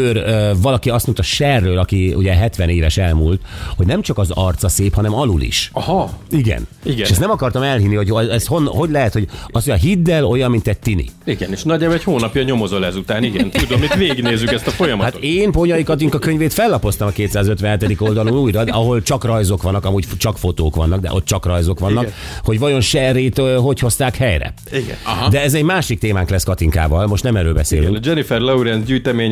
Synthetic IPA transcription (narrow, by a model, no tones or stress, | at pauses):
ørøvɒlɒkiɒst̪mont̪ɒʃɛrːøːlɒkiṵɟɛɦɛt̪ʋɛneːvɛʃɛlmṵlt̪ho̞ɟnɛmt͡ʃɒkɒzɒ̰rt̪sɒseːphɒnɛmɒlulḭʃɒhɒiɡɛ̰n | iɡɛʃɛst̪nɛmɒkɒrt̪ɒmɛlɦinːiho̞cɛshonɦo̞ɟlɛɦɛt̪ho̞ɟɒsoɒɦid̪ːɛlo̞jɒmːint̪ɛc̚t̪ːinḭiɡɛneːʃnɒɟabɛchoːnɒpjɒɲo̞mo̞zo̞lɛzut̪aːniɡɛnt̪ud̪omit̪veːɡneːzːykɛst̪ɒfo̞jɒmɒhat̪eːnpoɲɒjikɒt̪̬iŋkɒkøɲveːt̪fɛlːɒpo̞st̪ɒmɒkeːt̪saːzøt̪ʋɛnɦɛt̪ɛd̪iko̞ld̪ɒluːnuːjrɒd̪ɒɦo̞lt͡ʃɒkrɒjzokʋɒnːɒkɒmuːcft͡ʃɒkfo̞t̪oːkʋɒnːɒɡ̚d̪ɛ̰ʔo̞t̪ːt͡ʃɒkrɒjzokʋɒnːɒkk | ho̞ɟʋɒjo̞nʃɛreːt̪øɦo̞cho̞st̪aːkhɛjrɛ̰ | iɡɛ̰ɦd̪ɛɛzɛɟmaːʃik̚t̪eːmaːŋklɛskɒt̪iŋka̰ːvɒlmo̞ʃt̪nɛmɛɾøːlbɛsḛːly̰ŋkd͡ʒɛnifɛrlouɾɛnzɟyːjt̪ɛmeːɲ